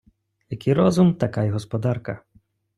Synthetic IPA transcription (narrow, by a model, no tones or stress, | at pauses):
jɐkijɾɔzʊmt̪ɐkajɦɔspɔd̪ɑrkɐ